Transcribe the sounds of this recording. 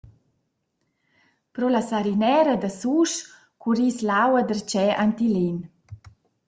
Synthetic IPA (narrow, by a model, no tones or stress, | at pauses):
pɾɔlasaɾinɛɾad̪asuʃ | kuɾislawad̪ərt͡ʃɛʔant̪ilen